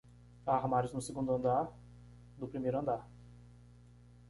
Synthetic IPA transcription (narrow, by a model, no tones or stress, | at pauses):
aɦmaɾɪznʊseɡũnd̪ʊɐ̃nd̪aɾ | d̪ʊpɾimejɾʊɐ̃nd̪aɾ